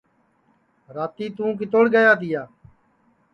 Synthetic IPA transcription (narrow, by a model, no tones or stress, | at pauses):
ɾaːt̪iːt̪ũːk̬ɪt̪oːɽɡəjaːt̪̬ɪjaː